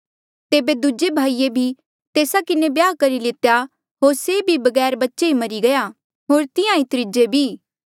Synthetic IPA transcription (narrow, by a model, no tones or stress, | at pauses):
t̪eːbed̪ud͡ʒebʱaːiebʱi | t̪eːsakɪnebjaːkɐɾilɪt̪ja | ɦoːɾseːbʱibɐɡɛːɾbɐtːʃeɦimɐɾiɡɐja | ɦoːɾt̪ɪ̃jãit̪ɾɪd͡ʒebʱiː